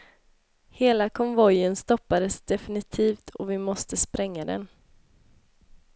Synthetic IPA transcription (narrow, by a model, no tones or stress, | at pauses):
heːlakʰɔnvɔjənst̪ɔpːad̪əsd̪ɛfɪnɪt̪ʰiːft̪ʰɔvɪmɔst̪əspɾɛŋːad̪ɛ̰n